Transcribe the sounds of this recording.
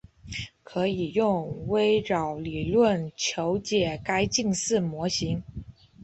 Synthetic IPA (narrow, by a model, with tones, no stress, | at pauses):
kʰɤ˧˥i˨˩jʊ˥˩ŋwe˥ɪɻɑ˨˩ʊli˨˩lwə˥˩nt͡ɕʰjo˧˥ʊt͡ɕjɛ˨˩ka˥ɪt͡ɕi˥˧ŋsɹ̩˥˩mwɔ˧˥ɕi˧˥ŋ